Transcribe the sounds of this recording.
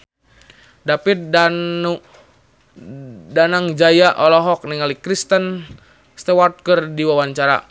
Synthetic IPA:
dapit̪̚dau | danaŋd͡ʒajaʔɔlɔɦɔk̚niŋalikɾist̪ən | st̪ɛwɔrt̪̚kərdiwawaɲt͡ʃaɾa̰

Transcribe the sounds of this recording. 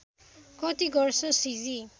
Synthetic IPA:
kɔtiɡɔɹsɔsizi

